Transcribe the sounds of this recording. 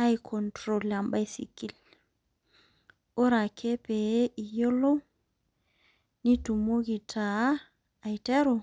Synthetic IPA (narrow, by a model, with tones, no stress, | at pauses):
a˦jkʰɔntɾola˨mba˦jsḭ˨kːi˦l | o˦ɾa˨kʰe˦pe˨˦ʔi˨jo˦lo˦w | ni˦tu˨mo˦ɡi˨tʰaː˨ | jtɛ˦ɾɔ